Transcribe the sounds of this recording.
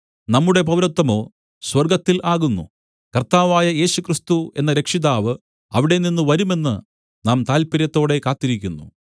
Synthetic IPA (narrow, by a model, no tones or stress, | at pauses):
nɐmːuɽe̞pɐwɾɐt̪ːɐmo̞ː | swɐrɡɐt̪ːilaːɣunːṵ | kɐrt̪aːʋaːjɐje̞ːɕukrist̪ue̞̰nːɐɾe̞kʂiðaːʋɨ | ɐʋiɽe̞ninːɨʋɐɾume̞nːɨ | naːmt̪aːlpɐɾjɐt̪ːo̞ːɽe̞kaːt̪ːiɾikʲːunːu